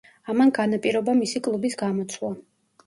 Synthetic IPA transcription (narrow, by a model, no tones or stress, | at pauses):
amanɡanapʼiɾɔbamisikʼlˠubisɡamɔt̪sʰlˠa